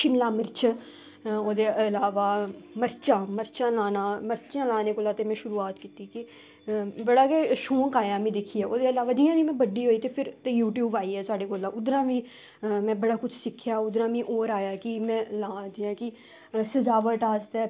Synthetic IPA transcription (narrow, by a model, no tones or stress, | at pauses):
ʃɪmlaːməɾt͡ʃʰː | oːd̪eːʔəəlaːʋaːməɾt͡ʃãːməɾt͡ʃãːlaːnãːməɾt͡ʃãːlaːneːkoːlaːt̪eːmɛ̃ːʃʊɾuːaːt̪kiːt̪iːkɪ | bəɽaːkeʃoːŋkaːjaːmĩːd̪ɪkʰiːɛːʔoːd̪eːəlaːʋaːd͡ʒiːãːd͡ʒiːmɛ̃ːbəɖːiːɦoːiːt̪eːpʰɪɾt̪ẽjuːʈjuːbaːiːɛːsaːɖeːkoːlãːʔʊd̪ɾãːʋĩː | mɛ̃ːbəɽaːkʊt͡ʃʰsɪkʰːɪjaːʊd̪ɾãːʋĩːʔoːɾaːjaːkɪmɛ̃ːlãːd͡ʒ̪ɪːãːkɪ | səzaːʋəʈaːst̪ɛː